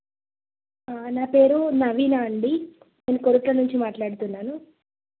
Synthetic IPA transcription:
anaːpe̞ːɾunɐʋiːnaɐɳɖi | ne̞ːnukoɾuʈlɐnuɲt͡ʃimaːʈlaːɽut̪unːaːnu

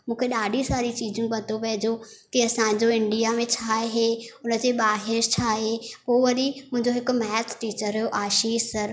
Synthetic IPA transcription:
mũːkʰeɗaːɖʱisaːɾit͡ɕiːd͡ʑũbɐt̪oʋɐɦɪd͡ʑokiɐsã̆ːd͡ʑoɪ̃ɳɖijamẽt͡ɕʰaːɦeʊnə̆d͡ʑeːɓaːɦɪɾt͡ɕʰaːɦepoːʋɐɾimʊ̃ɦɪ̃ɲd͡ʑoɦɪkʊ̆mɛːtʰʈiːt͡ɕəɾːɐjoʔaːʃiːʃsɐɾ

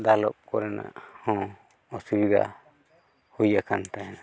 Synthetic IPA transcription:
d̪alɔp̚kɔɾɛna̰ʔhɔ̃ | ɔsubid̪a̰ | hujakant̪ajɛna

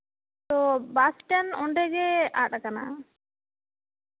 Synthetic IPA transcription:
t̪ɔbasʈɛnɔɳɖɛɡɛa̰ʈakana̰

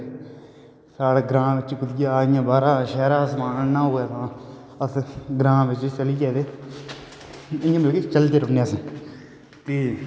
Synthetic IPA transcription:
saːɽeːɡɾãːʋɪt͡ʃkʊd̪ɪjaːɪjãːbaːɾaːʃɛːɾãːsəmaːnənãːɦoːeːt̪ãː | əsɡɾãːʋɪt͡ʃt͡ʃəliːd͡ʒɛːd̪eː | ɪjãːmɪlket͡ʃəlt̪eːɾʊnjaːsĩː | t̪iː

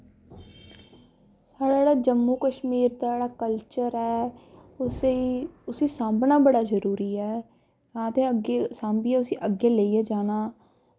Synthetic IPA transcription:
saːɽaːɽaːd͡ʒəmːuːkəʃmiːɾd̪aeːɽaːkəlt͡ʃəɾɛː | ʊsiːsãːmbnaːbəɽaːzəɾuːɾiːɛː | ãːt̪ẽːəɡesãːmbiːɛʊsĩːʔəɡeːləiːɛːd͡ʒaːnaː

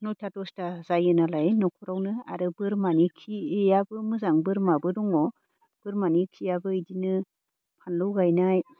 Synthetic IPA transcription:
nɔjtʰatɔstazajɯnalajnɔkʰɔɾawnɯa̰ɾɯbɯɾmanikʰiejabɯmɯzaŋbɯɾmabɯdɔŋɔ | b̥ɯɾmanikʰijabɯɯjdinɯ | pʰanlɯwɡajnaj

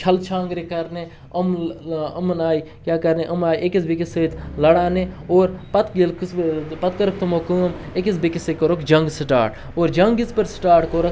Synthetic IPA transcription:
t͡ʃʰɐlt͡ʃʰãːŋɡɾekɐɾne | ɐmɐmɐnaːi | kjaːkɐɾneʔɐmaːiʔekizbikiset̪lɐɽaːneoːɾpɐt̪ɡilkspɐt̪kɐɾɐk̚ʰt̪umokum | ekizbikisekoɾokd͡ʒɐŋɡsʈa̰ːɾʈ | oːɾd͡ʒɐŋɡispɐɾsʈaːɾʈkoːɾɐk

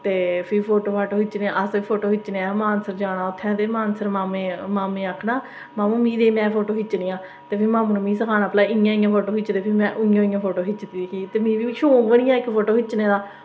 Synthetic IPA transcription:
t̪eːpʰɪɾpʰoːʈoːpʰaːʈoːɦɪt͡ʃːnẽːãəsiːpʰoːʈoːɦɪt͡ʃːneamaːnsəɾd͡ʒaːnaːʊt̪ʰːɛ̃ːt̪eːmaːnsəɾmaːmeːmaːmẽːaːkʰnaː | maːmũːmĩːd̪eːmɛ̃ːpʰoːʈoːɦɪt͡ʃːnĩːãː | t̪eːpʰɪmaːmũːnːmĩːsəkʰaːnaːplaːɪjãːɪ̃jãːpʰoːʈoːkɪt͡ʃːd̪eːpʰɪmɛ̃ːʔʊjãːɪ̃jãːpʰoːʈoːɦɪt͡ʃːt̪iːekʰiːt̪eːmĩːʋiʃoːbəɽ̃ĩjãːɪkpʰoːʈoːɦɪt͡ʃːneːd̪aː

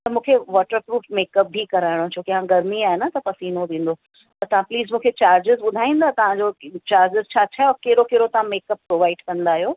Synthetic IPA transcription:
t̪ɐmũːkʰeʋɔːʈəɾpɾuːfmeːkɐp̚bʱikɐɾaːɪɽ̃õt͡ɕʰoːkeɦãɡɐɾmiaːɦenɐt̪ɐpɐsiːnoʋẽːn̆d̪oː | t̪ɐt̪ɐʋɦãpliːzmũːkʰet͡ɕaːɾd͡ʑɪzɓʊd̪ʱaːĩːn̆d̪at̪ɐʋ̤ãd͡ʑoːt͡ɕaːɾd͡ʑɪzt͡ɕʰaːt͡ɕʰaːɔːɾkeːɪɾokeːɾot̪ɐʋ̤ãmeːkɐpːɾoːʋaːɪɖkɐ̃nd̪aːɦijoː

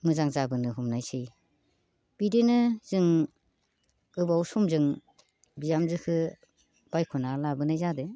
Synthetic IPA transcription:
mɯzaŋzabɯnɯɦumnajsɯj | b̥idenɯz̥ɯŋ | ɯbawsumzɯŋ | bijamzɯkʰɯ | b̥ajkʰunalabɯnajzade

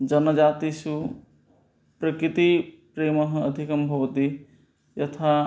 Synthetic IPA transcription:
d͡ʒɐnːəd͡ʒaːt̪isu | pɾɐkɾit̪ipɾeːmɐɦɐ̃əd̪ʱikɐmbʱɐʋət̪i | jɐt̪ʰa

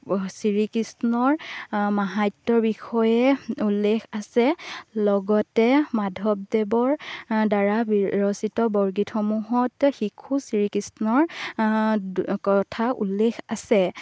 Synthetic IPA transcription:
siɹikisnɔɹmaɦajtːɔɹbixɔjɛulːexasɛlɔɡɔtɛmadʱɔb̚debɔɹdaɹabɹɔsitɔbɔɹɡitxɔmuɦɔtxikʰusiɹikisnɔɹ | kɔtʰaʔṵlːexʰasɛ

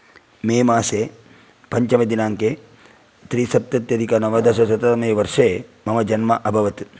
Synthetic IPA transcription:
meːmaːseː | pɐɲt͡ʃɐmɐd̪inaːŋke | t̪ɾiːsɐt̪jɐt̪jɐd̪ʱikɐnɐʋɐd̪ʱɐʃɐsɐt̪ɐtɐmɐjʋɐɾʂeːmɐmɐd͡ʒɐnmɐʔɐbʱɐʋɐt̪

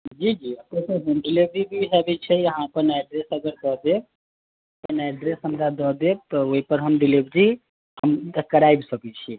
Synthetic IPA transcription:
d͡ʒid͡ʒiət̪esəɦəmɖilibɾibʱiɦɛbɛt͡ʃʰɛəɦãpəɾnajɖɾesəɡəɾd̪ɔɦd̪ek̚ | t̪ənajɖɾesɦəmɾad̪ɔd̪et̪ɔoipəɾɦəmɖilibɾi | həməkəɾajbsəkɛt͡ʃʰi

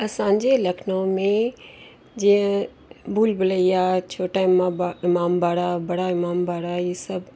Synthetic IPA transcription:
ɐsãːɲd͡ʑelɐkʰnõmẽ | d͡ʑiːə̃ | bʱuːlbɪləiaːt͡ɕʰoːʈaɪmaɪmaːmbʱaːɽabɐɽaɪmaːmbʱaːɽajiːsɐb

